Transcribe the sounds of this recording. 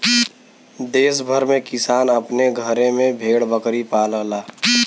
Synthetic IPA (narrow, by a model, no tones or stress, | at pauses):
d̪eːsbʱəɾmẽkɪsaːnɐpneɡʱəɾẽmẽbʱeːɽbəkɾipaːləlaː